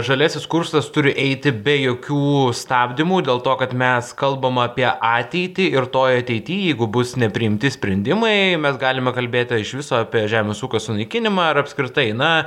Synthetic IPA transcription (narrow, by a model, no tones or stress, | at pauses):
ʒɐlʲæːsʲɪskʊɾsɐst̪ʊɾʲɪʔɛɪt̪ʲɪbʲɛjoːkʲuːst̪ɑːbʲd̪ʲɪmuːd̪ʲeːlˠt̪oːkɐt̪mʲɛskɐlˠbɐmɐpʲiɛʔɑːt̪ʲɛɪt̪ʲɪɪrt̪oːjɐt̪ʲɛɪt̪ʲiːjɛɪɡʊbʊsnʲɛpʲɾʲɪɪmʲt̪ʲɪsʲpʲɾʲɛnʲd̪ʲɪmɐɪmʲɛsɡɑːlʲɪmʲɛkɐlʲbʲeːt̪ʲɪɪʃʋʲɪsoːɑpʲiɛʒʲæːmʲeːsuːkɐsʊnɐɪkʲɪnʲɪmɑːɐɾɐpskɾʲɪt̪ɐɪnɐ